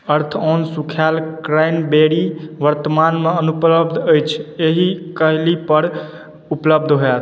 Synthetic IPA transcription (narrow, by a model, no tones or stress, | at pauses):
əɾt̪ʰɔnsukʰalkɾajnbeɽiʋəɾt̪əmanmeənupləbd̪ʱəjt͡ʃʰeɦikəɦlipəɾ | upləb̚d̪ʱɦoɛt̪ʰ